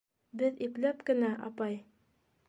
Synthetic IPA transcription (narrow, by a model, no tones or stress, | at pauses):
bɘðiplæpkɘ̆næʔɑpɑj